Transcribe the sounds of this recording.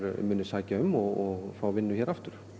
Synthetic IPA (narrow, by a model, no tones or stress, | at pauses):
ɾmʏːnʏsaːcaʏmɔɣɔɣfaːwvɪnːʏçɛːɾaft̪ʏɾ̥